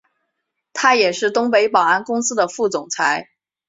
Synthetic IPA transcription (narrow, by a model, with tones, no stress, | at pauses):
t̪ʰa˥jɛ˨˩ʂɻ̩˥˩t̪ʊ˥ŋpe˧˥ɪpɑ˨˩a˥nkʊ˥ŋsɹ̩˥d̪ə˨fu˥˩t͡sʊ˨˩ŋt͡sʰa˧˥ɪ